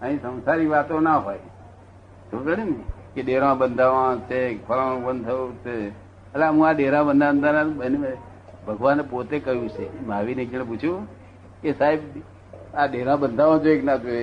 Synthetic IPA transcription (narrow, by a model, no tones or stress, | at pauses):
əɦĩsə̃w̃saɾiʋat̪onaɦoj | t̪ũd͡ʒəɽinkeɗeɾãbənd̪ʱaʋãt͡ʃʰekʰəlanũbənd̪̚t̪ʰəjũt͡ʃʰe | əlamũaɗeɾãbənd̪ʱaənd̪anabəneme | bʱəɡʋanepot̪ekəɦjũt͡ʃʰemaʋined͡ʒɽ̃ẽput͡ʃʰjũ | kesaɦeb | aɗeɾãbənd̪ʱaʋãd͡ʒoeknad͡ʒoe